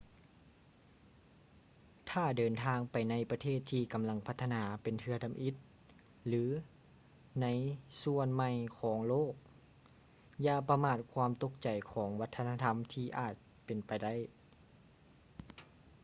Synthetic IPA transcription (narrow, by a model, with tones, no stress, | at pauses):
t̪ʰaː˧˩dɤː˨nt̪ʰaː˧ŋpa˨jna˧˥jpa˧t̪ʰeː˥˩t̪ʰːiː˧ka˨mla˧˥ŋpʰa˧˥t̪ʰːa˧naː˩˦pe˨nt̪ʰɯ˧ɐda˧˨mʔi˧˦t̪̚ | lɯː˨˦ | na˧˥jsu˧ənma˧˩jkʰɔː˩˦ŋloː˥˩k̚ | jaː˧˩pa˧maː˧˩t̪̚kʰwaː˧˥mt̪o˧˥k̚t͡ɕa˨˩jkʰɔː˩˦ŋwa˦˧˥t̪ʰːa˧na˧t̪ʰa˧˥mt̪ʰiː˧ʔaː˨˩t̪̚ | pe˨npa˨jda˥˩˨j